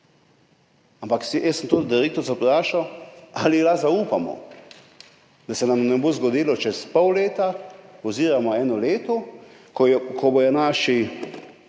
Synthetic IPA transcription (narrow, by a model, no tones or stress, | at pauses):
ampaksijɛsəmt̪od̪d̪iɾek̚t̪ɔɾzapɾaːʃawalilazauːpamɔ̰ | d̪asɛnamnɛbozɡɔd̪iːlɔt͡ʃɛspɔwleːt̪aɔziːɾamɔɛːnɔleːt̪ɔ | kɔbɔjɛnaːʃi